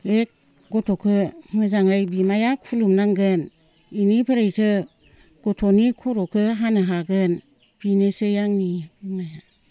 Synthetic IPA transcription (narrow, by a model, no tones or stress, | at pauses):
ek̚ | ɡotʰokʰɯmɯzaŋajbimajakʰulumnaŋɡɯn | inipʰɯɾejtʰɯ | ɡ̥otʰonikʰuɾokʰɯɦanɯɦaɡɯn | b̥inesejaŋnibimaja